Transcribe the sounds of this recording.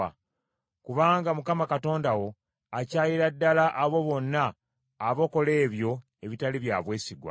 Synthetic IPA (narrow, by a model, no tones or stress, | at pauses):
kuβaːŋɡamukamakato̞ːndawo̞ | acaːjiɾadːalaʔːβo̞βo̞nːaː | βo̞ko̞le̞ːβjo̞ | e̞βitaliβja̰ːβwe̞ːsiɡwa̰